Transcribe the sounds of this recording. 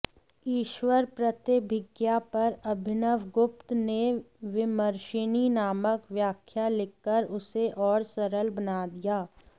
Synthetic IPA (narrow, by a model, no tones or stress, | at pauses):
iːʃʋəɾpɾɐt̪ebʱɪɡjapɐɾɐbʱɪnəʋɡʊpt̪ne | ʋɪməɾʃɪninaːməkʋjaːkʰjalɪkːəɾʊseʔɔːɾsɐɾəlbɐnaːd̪ijaː